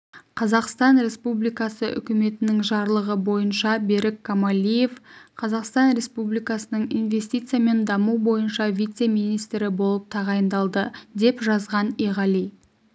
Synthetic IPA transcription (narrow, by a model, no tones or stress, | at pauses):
qʰɑzɑqst̪ɑnɾe̞spublijkɑsəʔʏ̰kʲɪme̞t̪ɪnɪŋʒɑɾlˠəʁəbo̞jənʃɑbe̞ɾɪkːomalʲije̞fqʰɑzɑqst̪ɑnɾe̞spublijkɑsənəɴḭjnve̞st̪ijt̪sɨjame̞nd̪ɑmuwbo̞jənʃɑvijt̪semijnijst̪ɾɪbo̞lˠəp̚t̪ʰɑʁɑjənd̪ɑlˠd̪əd̪e̞pʒɑzʁɑnijʁɑli